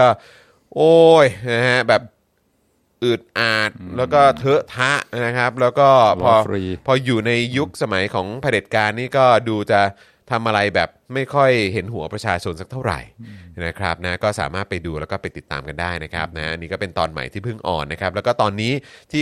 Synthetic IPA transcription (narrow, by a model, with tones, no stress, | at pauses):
ɔː˥˩ | ʔoː˧˩jna˦˥kʰa˦˥bɛː˨˩p̚ | ʔɯː˨˩t̪̚ʔaː˨˩t̪̚lɛː˦˥wkɔː˥˩t̪ʰɤ˦˥t̪ʰa˦˥ʔna˦˥kʰa˦˥p̚lɛː˦˥wkɔː˥˩ɔː˧pʰɔː˧juː˨˩na˧jju˦˥k̚sa˧ma˨˩˦jkʰɔː˩˦ŋpʰa˧de˨˩t̪̚kaː˧nːiː˥˩kɔː˥˩duː˧t͡ɕa˨˩ | t̪ʰa˧mʔa˧ɾa˧jbɛː˨˩p̚ma˥˩jkʰɔ˥˩jɦe˩˦nɦu˩˦ɐpɾa˧t͡ɕʰaː˧t͡ɕʰo˧nsa˦˥k̚t̪ʰa˥˩wɾa̰˨˩jna˦˥kʰɾa̰˦˥p̚na˦˥kɔː˥˩sa̰ː˩˦maː˥˩t̪̚pa˧jduː˧lɛː˦˥wkɔː˥˩pa˧jt̪i˨˩t̪ːa̰ː˧mka˧ndaː˥˩jna˦˥kʰɾa˦˥p̚na˦˥ʔa˧nːiː˦˥kɔː˥˩pe˧nt̪ɔː˧nma̰˨˩˦jt̪ʰiː˥˩pʰɯ˥˩ŋʔɔ̰ː˨˩nːa˦˥kʰɾa˦˥p̚lɛ˦wkɔː˥˩t̪ɔː˧nːiː˦˥t̪ʰiː˥˩